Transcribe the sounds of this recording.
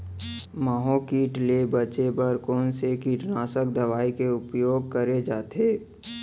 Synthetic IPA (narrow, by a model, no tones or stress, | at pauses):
maːɦokiːʈlebət͡ʃebəɾkɔːnsekiːʈnaːsəkd̪əʋaːikeʊpjoːɡ̚kəɾed͡ʒaːt̪ʰeː